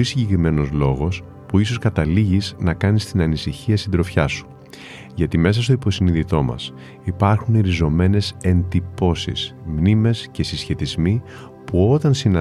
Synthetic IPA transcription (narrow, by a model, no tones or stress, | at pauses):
isiɲɟekɾime̞no̞zlo̞ɣo̞s | puiso̞skɐt̪ɐliʝiznɐkɐnist̪inɐnisiçiɐsind̪ɾo̞fçɐsu̥ | ʝɐt̪ime̞sɐst̪o̞ipo̞siniðit̪o̞mɐ̰s | ipɐɾxuneɾizo̞me̞ne̞se̞nd̪ipo̞sḭsmnime̞sce̞sisçe̞t̪izmi | puo̞t̪ɐnsinɐ